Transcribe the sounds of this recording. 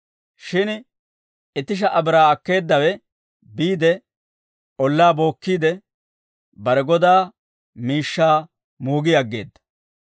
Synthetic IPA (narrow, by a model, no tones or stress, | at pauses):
ʃɪn | ɪt̪ːɪʃ̬ɐʔɐbɪɾaːɐkːe̞ːd̪ːɐwɛ | biːd̪ɛ | ɔlːaːbo̞ːkːiːd̪ɛ | bɐɾɛɡɔd̪aː | miːʃːaː | muːɡɪjɐɡːe̞̰ːd̪ːɐ̥